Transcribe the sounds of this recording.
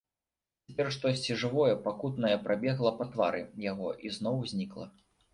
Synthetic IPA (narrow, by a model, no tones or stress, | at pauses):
t͡sʲɛpʲɛrʂt̪ɔsʲt͡sʲiʐɨvɔjɛpakut̪nɐjɛpɾʔabʲɛɣlˠɐpɐt̪va̰ɾɨjaɣɔʔiznɔwzʲnʲiklˠɐ̰